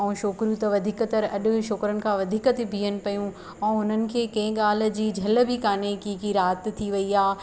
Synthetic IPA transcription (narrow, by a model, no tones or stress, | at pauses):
ɛ̃ːʃoːkɾijũt̪ɐʋɐd̪ʱiːkət̪ɐɾɐɗʊ̆ʃoːkɾənɪ̆kʰãːʋɐd̪ʱiːkət̪ebʱiːənɪ̆pɐjũ | ɛ̃ːʊnənɪ̆kʰeːkɐ̃ɪ̃ɠaːl̤̆d͡ʑiːd͡ʑʱɐlbʱɪkaːnekĩːkiɾaːt̪t̪ʰiʋɐiaː